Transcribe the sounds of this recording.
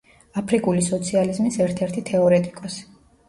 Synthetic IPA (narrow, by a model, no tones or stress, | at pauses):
apʰɾikʼulisɔt̪sʰializmisɛɾt̪ʰɛɾt̪ʰit̪ʰɛɔɾɛt̪ʼikʼɔsi̥